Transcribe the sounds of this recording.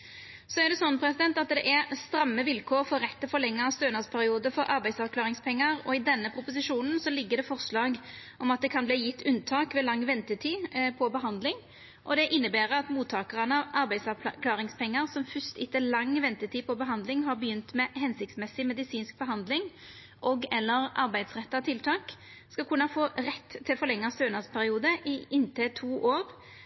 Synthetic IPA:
sɔæɾɖ̪ɛsɔnːpʰɾɛsɪd̪ɛnt̪ɑt̪d̪ɛʔæɾst̪ɾɑmːəʋɪlkʰoːɾfɔɾʁɛt̪ːəfɔlɛŋːəst̪øːnɑspʰæɾɪuːd̪əfɔɾʔɑɾbæɪsɑkʰlɑːɾɪŋspʰɛŋːəɾɔɪd̪ɛnːəpʰɾʊpʊsɪʂuːnn̩sɔlɪɡːəd̪ɛfɔʁslɑːɡʔɔmɑt̪̚d̪ɛkʰɑnbliːjɪt̪ʰːʉnt̪ʰɑːkʋɛlɑŋːʋɛnt̪ət̪ʰiːpʰɔbəɦɑnd̪lɪŋ | ʔɔd̪ɛʔɪnːəbæːɾəɑt̪muːt̪ʰɑːkəʁənəɑʔɑɾbæɪd̪sɑkʰlɑːʁɪŋspʰɛŋːəʁsɔmfʏst̪ɪt̪ːəlɑŋːʋɛnt̪ət̪ʰiːpʰɔbəɦɑnd̪lɪŋɦɑɾbəjʏnt̪mɛhɛnsɪk̚t̪smɛsːɪmɛd̪ɪsiːnsk̚bəɦɑnd̪lɪŋ | ʔɔɡɛlːəɾʔɑɾbæɪd̪sʁɛt̪ːɑt̪ʰɪlt̪ʰɑːk | skɑlkʰʉnːɑfoːɾɛt̪ʰːɪlfɔɾlɛŋːɑst̪øːnɑspʰæɾɪuːd̪əʔɪɪnt̪ʰət̪ʰuːʔoːɾ

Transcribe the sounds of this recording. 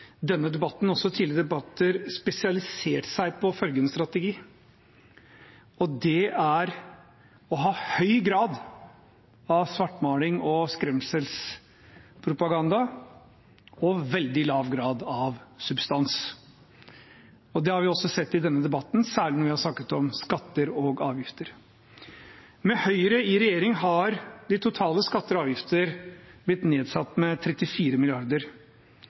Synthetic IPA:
d̪ɛnːəd̪ɛbɑt̪ːn̩ɔsːɔt̪ʰɪːlɪɾəd̪ɛbɑt̪ːəɾspɛsɪɑlɪseːʈsæɪpʰɔfœlɡənst̪ɾɑt̪əɡiː | ɔd̪ɛæɾ | ɔɦɑːhœʏɡɾɑːd̪ | ɑʋsʋɑʈːmɑːlɪŋɔskɾɛmsəls | pʰɾʊpɑɡɑnd̪ɑ | ɔʋɛld̪ɪlɑːʋɡɾɑːd̪ɑʋsʉbst̪ɑns | ɔd̪ɛhɑɾʋɪɔsɔsɛt̪ːɪd̪ɛnːəd̪ɛbɑt̪ːn̩sæːɭɪnɔɾʋɪhɑɾʂnɑkːət̪ɔmskɑt̪ːəɾɔɡɑːʋjɪft̪əɾ | mɛhœʏəɾəɪɾɛjeːɾɪŋhɑɾd̪ɪt̪ʰʊt̪ʰɑːləskɑt̪ːəɾɑːʋjɪft̪ʰəɾb̥lɪt̪neːd̪sɑt̪ːmɛt̪ʰɾɛt̪ːɪfiːɾəmɪlɪɑɾd̪əɾ

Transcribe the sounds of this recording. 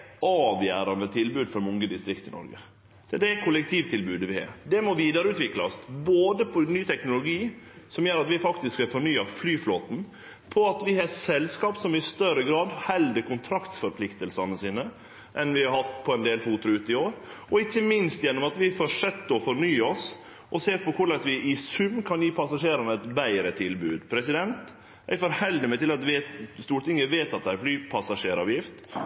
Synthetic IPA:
ɑːʋjæːɾɑnd̪ət̪ʰɪlbʉːd̪fɔɾmʊŋɡəd̪ɪst̪ɾɪkt̪ɪnɔ̰ɾɡə̰ | d̪ɛkʰʊlɛk̚t̪ʰiːʋt̪ʰɪlbʉːd̪əʋɪhɑ̰ːɾd̪ɛmɔʋiːd̪əɾəʉːt̪ʋɪklɑ̰sboːd̪əpʰɔnyːt̪ʰɛknʊlʊɡiːsɔmjøːɾɑt̪ʋɪfɑkt̪ɪskʋɛfɔɳyːɑflyːfloːt̪n̩ | pʰɔɑt̪ʋɪhɑsɛlskɑːpsɔmɪst̪œɾəɡɾɑːd̪hɛld̪əkʊnt̪ʰɾɑkt̪fɔɾpʰlɪkt̪əlsɑnəsiːnə | ʔɛnʋɪhɑɾhɑt̪ːpʰɔɛnd̪eːlfuːt̪ʊɾʉːt̪ɪoːɾɔɪçːəmɪnst̪jɛnːɔmɑt̪ʋɪfɔʂɛt̪ːəɔfɔɾɳyːəɔs | ʔɔseːɾpɔkʰʊɭɛsʋɪʔɪsʉmːkʰɑnjipʰɑsɑʂeːɾɑnəɛt̪bæɪɾət̪ʰɪlbʉ̰ːd̪pʰɾɛsɪd̪ɛnt̪ | æ̰ɪfɔːɾhɛld̪ɪmɛt̪ɪlɑt̪ʋest̪uːʈ̪ɪŋːəʋeːt̪ɑt̪̚d̪ææɾflyːpʰɑsɑʂeːɾɑ̰ːʋjɪft̪

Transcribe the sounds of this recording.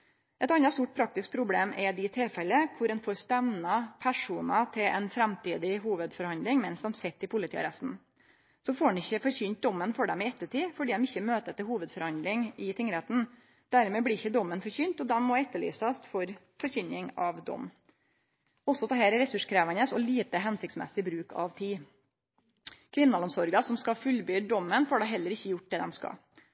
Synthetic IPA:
ʔɛt̪ɑnːɑst̪uːʈ̚pʰɾɑk̚t̪ɪsk̚pʰɾʊbleːmɛd̪ɪt̪ʰɪlfɛlːəkʰʊɾɛnfoːɾst̪ɛmnɑpʰæʂuːnɑt̪ʰɪlʔɛ̰nfɾɛmt̪iːd̪ɪɦuːʋəd̪fɔɾhɑnd̪lɪŋmɛnsd̪ɛmsɛt̪ːɪpʰʊlɪt̪ʰḭːɑ̰ɾɛst̪n̩ | sɔfoːɾɛnɪçːəfɔɾçʏnt̪̚d̪ɔmːənfɔɖɛmɪɛt̪ːəʈiːfɔɖiːd̪ɛmɪçːəmøːt̪ət̪ɪlhuːʋəd̪fɔɾhɑnd̪lɪŋɪt̪ʰɪŋːəɾheːt̪n̩ | d̪̥æɾmɛːblɪɾɪçːəd̪ɔmːənfɔɾçynt̪ɔd̪ɛnmɔɛt̪ːəɭy̰ːsɑst̪fɔɾ | fɔɾçʏɲɪŋɑʋd̪ɔ̰mː | ɔsːɔt̪ʰɑːheːɾɾɛsʉʂkʰɾæːʋɑnəsɔ̰liːt̪əɦɛnsɪk̚t̪smɛ̰sɪbɾʉːkʰɑ̰ʋt̪ʰiː | kʰʋɪnɑlɔmsɔɾɡɑsɔmskɑfʉlbyːd̪d̪ɔmːənfoːɖæɦɛlːəɾɪçːəjʊʈ̚d̪ɛːd̪ɛmskɑ̰

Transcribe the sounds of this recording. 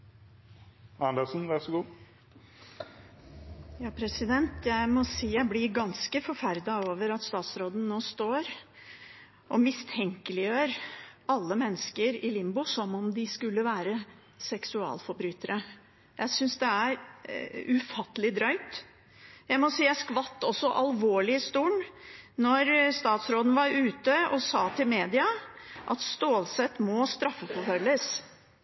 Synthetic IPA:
æɳd̪ɑsn̩ʋæsɡuː | jɑːpʰɾɛsɪd̪ɛnt̪ʰjæɪmɔsiːjæɪblɪɾɡɑnskəfɔɾfæɾd̪ɑoːʋəɾɑt̪st̪ɑːt̪sɾoːd̪n̩noːst̪oːɾ | ʔɔmɪst̪ʰɛŋkəlɪjøːɾɑlːəmɛnːəskəɾɪlɪmbʊsɔmɔmd̪ɪskʉlːəʋæːɾə | sɛksʉɑ̰ːlfɔɾbɾyːt̪əɾə | jæɪsʏnsd̪ɛæɾ | ʉfɑt̪ːəlɪd̪ɾœʏt̪ | jæɪmɔsiːæskʋɑt̪ːɔsːɔʔɑlʋoːɭɪst̪uːɳnɔɾst̪ɑːt̪sɾoːd̪ən̩ʋɑɾʉːt̪əɔsɑːt̪ʰɪlmeːd̪ɪɑʔɑt̪st̪oːlsɛt̪mɔst̪ɾɑfːəfɔfœlːəs

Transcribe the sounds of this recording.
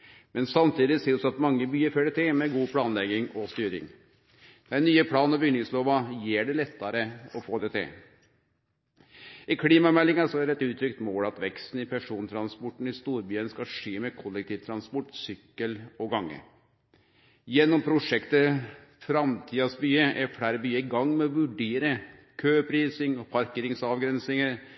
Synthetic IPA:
mɛnsɑmt̪ʰiːd̪ɪseːd̪sɔɑt̪mɑŋːəbyːəɾføːɖɛt̪ʰɪmɛɡuːpʰɽɑːnlɛɡɪŋɔst̪yːɾɪ̰ŋ | d̪̥ænyːəpʰɽɑːnɔbʏɡnɪŋsloːʋɑjeːɖɛlɛt̪ʰːɑɾəɔfoːd̪ɛt̪ʰɪ̰ | ɪkʰɽiːmɑmɛlːɪŋɑsɔæɖɛt̪ʉːt̪ʰɾʏkt̪moːlɑt̪ʋɛkst̪n̩ɪpʰæʂuːnt̪ʰɾɑnspɔʈːn̩ɪst̪uːɾbyːənskɑʂeːmɛkʰɔlːɛk̚t̪ʰiːʋt̪ʰɾɑnspɔʈsʏkːəlɔɡɑŋːə̰ | jɛnːɔmpʰɾʊʂɛkt̪ə | fɾɑmt̪ʰiːɑsbyːəʔɛɾfɽæɾəbyːəɪɡɑŋːmɛɔʋʉɖeːɾə | kʰøːpʰɾiːsɪŋɔpʰɑɾkeːɾɪŋsɑʋɡɾɛnsɪŋəɾ

